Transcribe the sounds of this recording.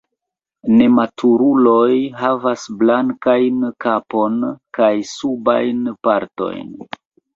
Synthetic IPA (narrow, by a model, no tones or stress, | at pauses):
ne̞matʰuɾulo̞jɦavasblaŋkajnkapo̞nkajsuba̰jnpaɾto̞̰jn